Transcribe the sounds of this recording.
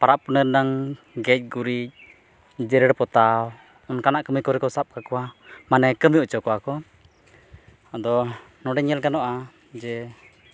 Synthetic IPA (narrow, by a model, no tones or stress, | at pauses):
paɾaʔpunəɾnaŋ | ɡɛc̚ˀɡuɾic̚ | d͡ʒɛɾɛɽpɔt̪aw | ɔnkanaʔkəmikɔɾɛkɔsap̚kakɔwamanɛkəmijɔt͡ʃɔkɔakɔ | ad̪ɔ | nɔɖɛɲɛlɡanɔʔa | d͡ʒɛ